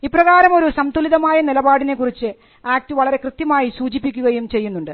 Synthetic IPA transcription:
iprɐɣaːɾɐmo̞ɾusɐmt̪ʰuliðɐmaːjɐnilɐbaːɽine̞kːurit͡ɕːɨ | aːk̚tɨʋɐɭɐɾe̞krɨt̪jɐmaːjisuːt͡ɕipːikʲːuɣɐjumt͡ɕe̞jːunːuɳɖɨ

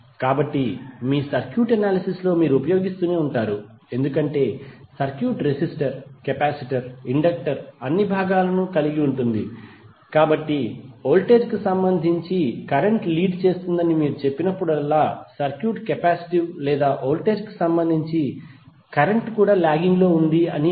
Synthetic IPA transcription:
kaːbɐʈːimiːsɐɾkjuːʈɐnaːlisislo̞ːmiːɾuupɐjo̞ːɡist̪uːne̞ːuɳʈaːɾu | e̞nd̪ukɐɳʈe̞ːsɐɾkjuːʈɾesisʈɐɾkɛpaːsiʈɐɾiɳɖɐk̚ʈɐɾɐnːibʱaːɡaːlɐnukɐliɡiuɳʈund̪ḭ | kaːbɐʈːio̞ːlʈe̞ːd͡ʒkisɐmbɐnd̪ʱiɲt͡ʃikɐɾeɳʈliːɖt͡ʃe̞ːst̪und̪ɐnimiːɾut͡ʃe̞pːinɐpːuɽɐlːaːsɐɾkjuːʈkɛpaːsi̥ʈiwlɛːd̪aːʔoːlʈeːd͡ʒki̥sɐmbɐnd̪ʱiɲt͡ʃi | kɐɾeɳʈkuːɽaːlaːɡiŋɡlo̞ːund̪iɐni

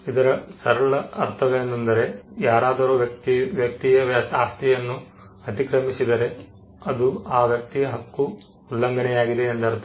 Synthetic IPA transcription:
id̪ɐɾɐsɐɾɐɭɐɐɾt̪ʰɐʋeend̪ɐnd̪ɐɾe̞jaːɾaːd̪ɐɾuːʋjɐk̚t̪iʋjɐk̚t̪ijɐʋasaːst̪ijɐnːu | ɐt̪ikɾɐmisid̪ɐɾe̞ | ɐd̪uaːʋjɐk̚t̪ijɐɦɐkːuː | lːɐŋɡɐɳɛjaːɡid̪eːnd̪ɐɾt̪

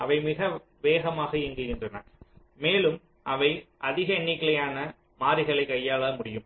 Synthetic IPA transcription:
ʔɐʋɐɪmɪɣɐ | ʋeːɣɐmaːɣɐɪŋɡɪɣɪndrɐna̰ːɾ | meːlɯm | ʔɐʋɐɪʔɐðɪɣɐɐɳːɪkːɐɭɐjaːnɐ | maːɾɪɣɐɭɐɪkːɐjːaːɭɐmʊɽɪjɯm

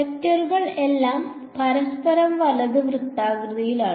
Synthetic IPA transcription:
et̪ːɐrɣɐɭe̞lːaːm | pɐɾɐspɐɾɐmʋɐlɐðɨʋrut̪ːaːɡrɨðɐjilaːɳɨ

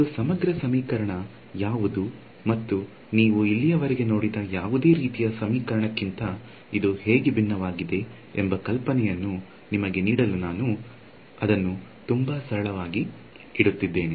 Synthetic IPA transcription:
id̪usɐmɐɡɾɐsɐmiːkɐɾɐɳɐ | jaːʋud̪u | mɐt̪ːu | niːʋuilːijɐʋɐɾeɡe̞no̞ːɽid̪ɐjaːʋud̪e̞ːɾiːt̪ijɐsɐmiːkɐɾɐɳɐkːint̪ɐ | id̪uhe̞ːɡebinːɐʋaːɡid̪e̞ | embɐkɐlpɐnɛjɐnːu | nimɐɡe̞niːɽɐlunaːnu | ɐd̪ɐnːut̪umbɐsɐɾɐɭɐʋaːɡi | iɽut̪ːid̪ːe̞ːni

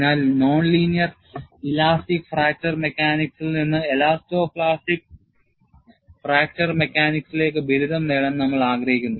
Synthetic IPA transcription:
naːlno̞ːɳliːnijɐr | ilaːstikfraːk̚tɐrmekʲːaːniksilninːɨelaːstoːpɭaːsʈik̚ | fraːk̚tɐrmekʲːaːniksile̞ːkːɨbiɾud̪ʱɐmneɭɐnnɐmːɐɭaːɡrɐɦikʲːunːɐðɨ

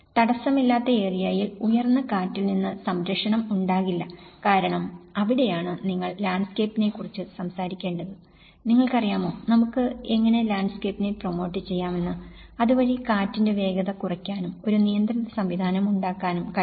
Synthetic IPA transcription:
t̪ɐɽɐsːɐmilːaːt̪ːɐeːrijaːjilujɐrnːɐkaːtːilninːɨsɐmɾɐkʂɐɳɐmuɳɖaːɣilːɐkaːɾɐɳɐmɐʋiɽe̞jaːɳɨniŋːɐɭlaːɳɖske̞ːpːine̞kːurit͡ɕːɨsɐmsaːɾikʲːe̞ːɳɖɐðɨ | niŋːɐɭkɐrijaːmo̞ːnɐmukːɨe̞ŋːɐne̞laːɳɖskepːine̞promo̞ːʈːɨt͡ɕːe̞jːaːme̞nːɨɐðuʋɐɾikaːtːinde̞ʋe̞ːɡɐðɐkurɐkʲːaːnumo̞ɾunijɐnd̪ɾɐnɐsɐmʋid̪ʱaːnɐmuɳɖaːkːaːnumkɐ

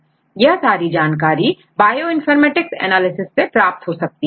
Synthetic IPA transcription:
jɐɦsaːɾid͡ʒaːnk̬aːɾi | baːjoɪ̃nfəɾmɛːʈɪksɛ̰ːnaːlɪsɪsːepɾaːp̚t̪ɦosɐk̚t̪iɛ

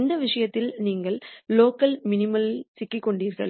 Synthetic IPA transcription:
nd̪ɐʋɪʂɐjɐt̪ːɪlniːŋɡɐɭːoːkːɐlmɪnɪmɐlɪlsɪkːɪkːɔɳɖiːɾɣɐ̰ɭ

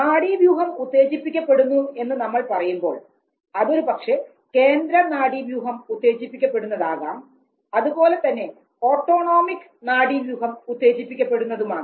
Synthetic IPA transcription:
naːɽiʋjuːɦɐmut̪ːe̞ːt͡ɕipːikʲːɐpːe̞ɽunːue̞nːɨnɐmːɐɭpɐrɐjumbo̞̰ːɭ | ɐðo̞ɾupɐkʂe̞ | ke̞ːnd̪ɾɐnaːɽiʋjuːɦɐmut̪ːe̞ːt͡ɕipːikʲːɐpːe̞ɽunːɐðaːɣa̰ːm | ɐðupo̞ːle̞t̪ɐnːe̞ | o̞ːʈːo̞ːɳo̞ːmikːɨ̥naːɽiʋjuːɦɐmut̪ːe̞ːt͡ɕipːikʲːɐpːe̞ɽunːɐðumaːɳɨ

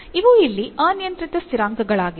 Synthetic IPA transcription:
iʋuilːiʔaːnjɐnt̪ɾit̪ɐst̪iɾaːŋɡɐɡɐɭaːɡi

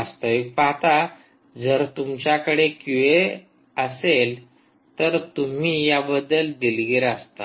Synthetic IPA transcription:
ast̪əʋik̚paɦt̪a | d͡zəɾt̪umt͡ɕjakəɽekuʋe | əsel | t̪əɾt̪um̤iːjabəd̪ːəld̪ilɡiɾəst̪a̰

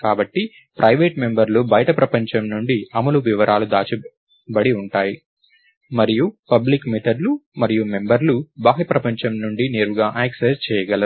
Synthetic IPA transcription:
kaːbɐʈːi | pɾʔɐjʋeːʈme̞mbɐɾlubɐjɐʈɐpɾɐpɐɲt͡ʃɐmnuɳɖiɐmɐluʋiʋɐɾʔaːlud̪aːt͡ʃi | bɐɽiuɳʈaːji | mɐɾijupɐblikmet̪ʰɐɖlumɐɾijume̞mbɐɾlubaːɦipɾɐpɐɲt͡ʃɐmnuɳɖineːɾuɡaːʔeːksest͡ʃɛːjɐɡɐlɐ

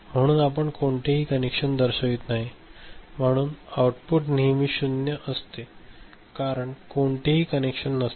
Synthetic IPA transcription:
m̤əɽ̃uːnap̬əɳkoɳʈ̪eɦiːkənekʂənd̪əɾɕəɡiːt̪naɦim̤əɽ̃uːnauʈpuʈniːmiːɕunjəʔəst̪e | kaɾəɳkoɳʈ̪eɦiːkənekʂənːəst̪e

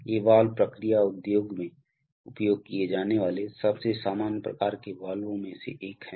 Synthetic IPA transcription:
eːʋaːlpɾəkɾijaʊd̪joːɡmẽ | ʊpjoːɡ̚kied͡ʒaːneʋaːlesɐbsesaːmaːnjəpɾɐ̰kaːɾkeʋaːlõmẽsḛʔeːkɦɛː

